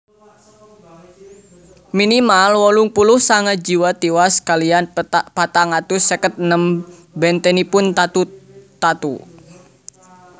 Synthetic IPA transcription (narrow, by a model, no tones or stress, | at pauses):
minimalwɔlʊŋpulʊhsaŋad͡ʒiwat̪iwaskalianpat̪aŋat̪usɛkət̪̚nəm | bɛnt̪ɛnipʊnt̪at̪ut̪at̪ṵ